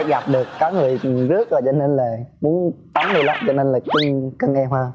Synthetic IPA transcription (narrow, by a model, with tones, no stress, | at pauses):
ɣa˨˩p̚ɗɨ˨˩əkːɔ˨˦ŋɨ˨˩əjzɨ˦˥ək̚vəː˨˩t͡ɕɔ˧ne˧nlaː˨˩mu˨˦ənt̪a˨˦nɗo˧la̰ː˧˨t͡ɕɔ˧ne˧nlaː˨˩kɨ˧˦ŋkə˧ŋʔɛ˧mhəː˧